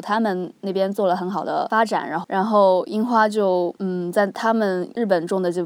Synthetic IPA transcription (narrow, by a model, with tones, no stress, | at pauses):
t̪ʰa˥mə˨nne˥˩ɪpjɛ˥nt͡swɔ˥˩lə˩xə˧˥nxɑ˨˩ʊd̪ə̰˦fa˥ʈ͡ʂa̰˨˩nɻa˧˥xɻa˧˥nxo˥˧ʊi˥ŋxwa˥t͡ɕjo˥˧ʊn̩˥˩t͡sa˥˩ɪt̪ʰa˥mə˨nɻ̩˥˩p̬ə˨˩nʈ͡ʂʊ˥˩ŋd̪ə˨t͡ɕjo˥˧ʊ